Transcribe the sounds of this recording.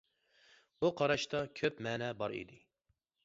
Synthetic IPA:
buqʰɑɾɑʃt̪ɑkʲʰøpmɛːnɛbɑɾḭd̪ɪ

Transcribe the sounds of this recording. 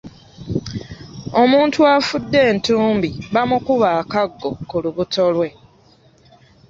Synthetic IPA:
o̞muːntuafudːe̞ːntuːmbiβamukuβaːkaɡːo̞kuluβuto̞lwe̞

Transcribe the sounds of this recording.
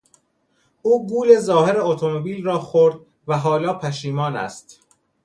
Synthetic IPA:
ʔuːɡuːle̞zɒːheɾeot̪ʰo̞mobiːlrɒːxoɾd̪̚ | væɦɒːlɒːpʰæʃiːmɒːnæ̰st̪

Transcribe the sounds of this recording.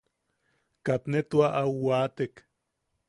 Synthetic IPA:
kat̪net̪waʔawwat̪ek

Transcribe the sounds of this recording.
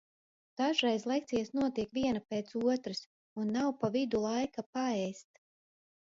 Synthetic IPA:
d̪̥aʒɾɛjzlˠɛk̚t̪ijasnuɔt̪iɛkviɛnapeːt̪suɔt̪ɾɨs | unːawpavid̪ulˠajkapaɛjst̪

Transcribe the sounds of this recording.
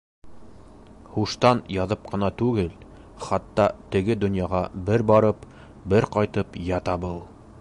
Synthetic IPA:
huʃt̪ɑnjɑðɤp̚qɤ̆nɑt̪ʉɡɘl | χɑt̪ːɑt̪ɘ̆ɡɘd̪ŏnjɑʁɑbɘɾbɑɾɤp | bɘɾqɑjt̪ɤpjɑt̪ɑbɤlˠ

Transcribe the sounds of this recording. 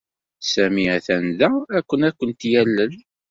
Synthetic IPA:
sæmiæθænðæækʷːənækʷːənt̪jælːəl

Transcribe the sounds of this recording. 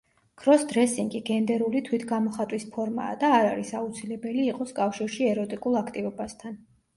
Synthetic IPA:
kʰɾɔsd̪ɾɛsiŋɡiɡɛnd̪ɛɾulit̪ʰwit̪ʰɡamɔχat̪ʼwispʰɔɾma̰ːd̪aːɾaɾisaut̪sʰilɛbɛliːqʼɔskʼafʃiɾʃiɛɾɔt̪ʼikʼulˠakʰt̪ʼivɔbast̪ʰan

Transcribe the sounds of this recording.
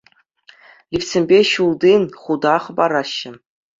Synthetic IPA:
lʲifsʲĕmʲbʲeɕulˠd̪inχud̪ɑχɤ̆bɑɾɑɕːɘ̆

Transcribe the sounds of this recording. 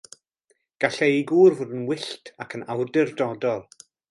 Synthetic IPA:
ɡ̥aɬɛiɡuːrvʊdənwɪɬtʰakʰənawrdɪrdɔdɔlˠ

